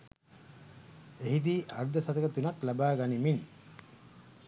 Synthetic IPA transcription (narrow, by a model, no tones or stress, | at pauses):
eɦid̪iːʔɐɾd̪ɐsɐt̪ɐkɐt̪unɐklɐbaːɡanimin